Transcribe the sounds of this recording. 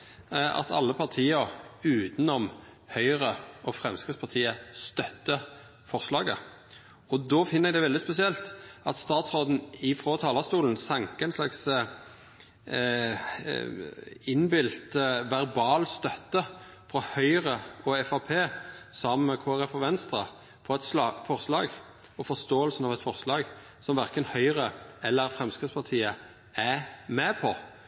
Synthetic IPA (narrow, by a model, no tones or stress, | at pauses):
ɑ̰t̪ʰɑ̰lːəpʰɑʁt̪ʰiːəʉːt̪nɔmhœʏʁəɔfɾɛmskɪt̪spɑʁt̪ʰiːəst̪œt̪ːə | fɔʁslɑːɡə̰ | ɔd̪oːfɪnːəɛɡd̪ɛʋɛlɪspɛsɪɛlt̪ɑt̪st̪ɑːt̪sʁoːd̪n̩ɪfʁoːt̪ʰɑːlɑst̪uːln̩sɛŋkəɛɪnslɑks | ɪnbɪlt̪ʋæɾbɑːlst̪œt̪ːə | fʁɔhœʏɾəɔɛfɑpʰeːsɔmkʰoːæʁɛfɔʋɛnst̪ɾə | fɔʁɛt̪sɑfɔɾslɑːɡ | ɔfɔst̪oːəlsnɑʋɛt̪fɔʁslɑːɡ | sɔmʋæʁkənhœʏɾəɛlːəɾfʁɛmskʁɪt̪spʰɑt̪ʰiːə | æmɛːpʰɔ